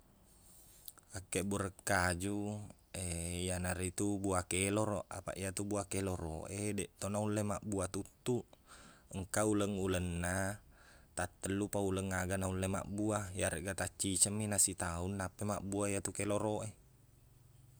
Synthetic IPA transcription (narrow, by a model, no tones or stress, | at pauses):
akːebuɾəkːad͡ʒu | eijanaɾit̪ubuakeloɾoʔa̰pa̰ʔijat̪ubuakeloro̰ʔedɛʔt̪onaulːemaʔbuat̪ut̪ːuʔəŋkauləŋulənːa | t̪at̪ːəlːupauləŋːaɡanaulːema̰ʔbuajaɾeʔɡat̪at͡ʃːit͡ʃəmːinasit̪aunːapːemaʔbuaijat̪ukeloɾoʔe